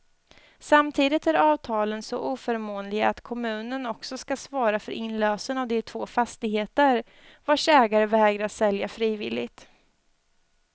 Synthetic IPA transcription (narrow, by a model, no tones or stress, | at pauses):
samt̪ʰiːd̪ɪt̪æɾɑːvt̪ʰɑːlənsɔ̰ʔuːfœɾmoːnlɪɡat̪kʰɔmʉ̟ːnənɔksɔskasvɑːɾafœɾʔɪnløːsənavd̪ɪt̪ʰvoːfast̪ɪɡheːt̪əɾ | vaʂɛːɡaɾəvɛːɡɾaasɛljafɾiːvɪ̰lɪ̰ɡt̪